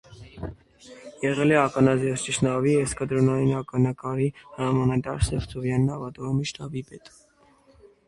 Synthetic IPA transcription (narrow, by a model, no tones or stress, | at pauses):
jɛʁɛlɛɑkɑnɑzɛɾt͡ʃiʃnɑviɛskəd̪ɾɔnɑjinɑkɑnɑkɑɾihəɾɑmɑnɑt̪ɑɾsɛft͡sʰɔvjɑnːɑvɑt̪ɔɾɔmiʃt̪ɑbipɛt̪